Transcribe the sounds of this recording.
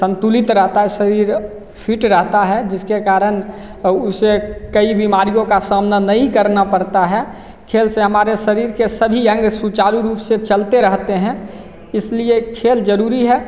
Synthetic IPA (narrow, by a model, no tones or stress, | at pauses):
sə̃nt̪ulɪt̪ɾəɦt̪aɦɛsəɾiːɾ | pʰiʈɾəɦt̪aɦɛd͡ʒɪskekaːɾən | ʊsekəibimaːɾijõkasamnanəɦĩkəɾnapəɾt̪aɦɛ | kʰeːlseɦəmaːɾeʃəɾiːɾkesəbʱiə̃ŋɡsut͡ʃaːɾuɾuːpset͡ʃəlt̪eɾəɦt̪eɦɛ̃ | ɪsliekʰeːld͡ʒəɾuːɾiɦɛ